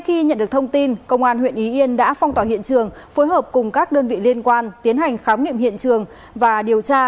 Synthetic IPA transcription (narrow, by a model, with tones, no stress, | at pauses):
xi˧ɲə̰˧˨nɗɨ˨˩ək̚t̪ʰə˧ŋ͡mt̪i˧nkə̰˧wŋ͡mʔaː˧˩nhwḭ˧˨ənʔi˨˦ʔi˧ənɗa̰ː˧˥fɔ˧ŋ͡mt̪waː˧˩ɦḭ˧˨ənt͡ɕɨ˨˩əŋ | fo˨˦jɦəː˨˩p̚kʊ˨˩ŋ͡mkaː˦˥k̚ɗəː˧nvḭ˧˨li˧ənkwaː˧nt̪i˨˦ənɦa˨˩jŋ̟xaː˨˦wnḭ˧˨əmhḭ˧˨ənt͡ɕɨ˨˩əŋ | vaː˨˩ɗi˨˩əwt͡ɕaː˧